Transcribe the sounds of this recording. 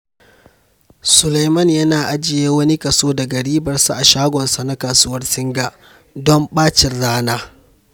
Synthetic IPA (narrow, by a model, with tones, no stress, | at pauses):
sʊ˨la˨jmɐ˦˨njɐ˦naː˨ʔa˦d͡ʒɪ˨jeː˦wɐ˦ni˦kɐ˨soː˦da˨ɡɐ˨ɽiː˦bɐ˨rsa˦ʔa˨ʃaː˦ɡʷɔ˨nsa˨na˦kaː˨su˦wɐ˦rsɪ˦ŋɡa˨ʔ | dɔ˦mɓaː˦t͡ʃɪ˨rːaː˦naː˦